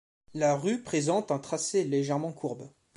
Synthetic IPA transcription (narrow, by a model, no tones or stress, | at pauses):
laʁypχezɑ̃t̪ɛ̃t̪χaseleʒɛʁmɑ̃kʰuʁb